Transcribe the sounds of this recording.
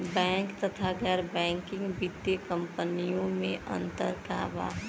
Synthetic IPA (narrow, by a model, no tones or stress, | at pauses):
bɛ̃ːŋkt̪ət̪ʰaɡɛɾbɛ̃ːŋkɪ̃ŋɡbit̪jəkə̃mpənijõmẽʔə̰̃nt̪əɾka̰ːʋa̰ːɦ